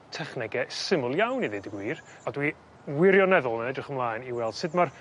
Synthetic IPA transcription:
tʰɛχnɛɡɛsɪmʊlˠjawniðɨdəɡwiːɾ | adwi | wɪɾjɔnɛðʊlˠnənɛdrɪχəmlˠaːjniwɛlˠd̥sɨdmar

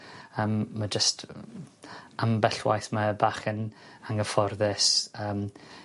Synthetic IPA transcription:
əːmːad͡ʒəst | ambɛɬwa̰jθmaɛbaχənaŋəfɔrðɪsəːm

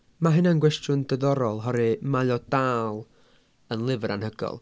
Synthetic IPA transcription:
maɦɪnanɡwɛstʊndəðɔɾɔlˠɦɔɾɨmaʎɔd̥aːlˠ | ənlˠɪvəɾanhəɡɔ̰lˠ

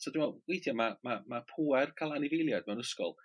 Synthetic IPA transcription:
sʰɔdɪmɔwejtʰjamamamapʰuːɛrkʰalˠanɪvejlˠjad̥̚mɛwnəskɔ̰lˠ

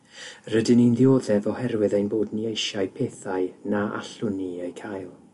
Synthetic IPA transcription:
rədɪninðɪoːðɛvɔhɛɾwɨðejnboːdniejʃaɨpʰeːθaɨnaʔa̰ɬʊniejkʰajlˠ

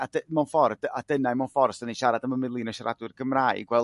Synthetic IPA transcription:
ad̥əmɔnfɔrda̰dənajmɔfɔrsəniʃaɾadəməmɪlˠinɔʃaɾʔa̰dʊrkəmraːɨɡwɛ

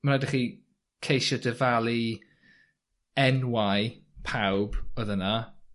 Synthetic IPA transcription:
məɾadaχi | kʰejʃɔdəvalˠi | ɛnwajpʰawbɔðəna

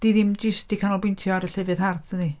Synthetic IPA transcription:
d̥iðɪmd͡ʒɪstikʰanɔlˠbwɪntʰjɔaɾəɬɛvɨðharθʰəni

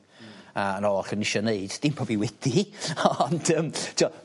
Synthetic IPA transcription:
əənɔɔɬənːɪʃɔneɨd̥d̥inpʰɔbiwɛd̥iɔnd̥əmtʰɔ

